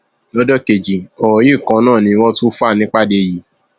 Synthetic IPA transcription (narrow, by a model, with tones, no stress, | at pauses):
lɔ˨˦dɔ˦ke˨d͡ʒi˨ɔ˨wɔ˨˦jĩ˦˨kã˧˦nãː˦˨nĩ˧wɔ̃˦tu˦fu˦a˦˨nĩ˦k͡pa˦˨de˧˨ji˨˦